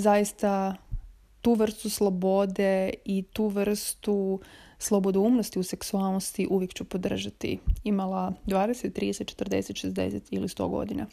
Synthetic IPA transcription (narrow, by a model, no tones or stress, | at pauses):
zajist̪a | t̪uːʋr̩st̪uslˠobo̞d̪e̞it̪uːʋr̩st̪uslˠobod̪ouːmnost̪iuse̞ksualˠnost̪iʔuʋjekt͡ɕupo̞d̪r̩ʒat̪ḭimalˠad̪ʋaːd̪eset̪t̪ːɾid̪eset͡ʃet̪rd̪e̞̰set̪ʃezd̪ḛset̪ilist̪o̞̰ɡo̞̰d̪ina̰